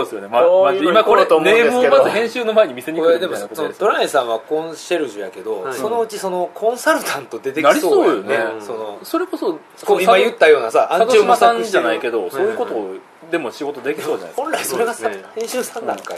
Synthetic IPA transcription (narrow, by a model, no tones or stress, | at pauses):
od̪sɨjonemaaimakoɾet̪omd̪emɯ̃mazɨhẽ̞ɰ̃ɕɨːno̞maeɲ̟imʲise̞ɲʲiod̪e̞moksonot̪o̞ɾaĩsãɰ̃βakõ̞ɕe̞ɾɯ̟ʑɨjake̞d̪o̞so̞no̞ɯ̟t͡ɕiso̞no̞kʰõ̞ɰ̃saɾɯ̟t̪ʰãnt̪o̞d̪e̞t̪enaɾisoooːjoneso̞no̞so̞ɾe̞ko̞so | koimajɯt̪ːajo̞ːnasaʔamasãɲd͡ʑanaike̞d̪o̞soːjɯko̞t̪oː | d̪e̞mo̞ɕiɡo̞t̪o̞d̪e̞kʲisoːd͡ʑana̰hõnɾaiso̞ɾeɡasahẽ̞ɰ̃ɕɨːsãnːã̰ŋkai